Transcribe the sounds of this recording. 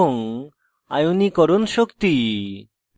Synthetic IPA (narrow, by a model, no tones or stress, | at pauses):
oŋ | a̰junikɔɾonʃokt̪i